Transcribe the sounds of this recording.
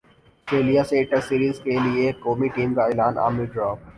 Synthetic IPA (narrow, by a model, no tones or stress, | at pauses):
sʈɾeːlijaseʈəɾsiːɾiːzkeliekoːmiʈiːmkaɪlaːnʔa̰ːmiɖɾɔːb